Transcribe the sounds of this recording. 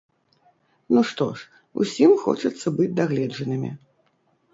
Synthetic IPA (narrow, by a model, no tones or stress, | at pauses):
nuʂt̪ɔ̰ʂ | ṵsʲimxɔ̰t͡ʂɐt̪sːɐbɨd͡zʲd̪aɣlʲɛd͡ʐɐnɨmʲḭ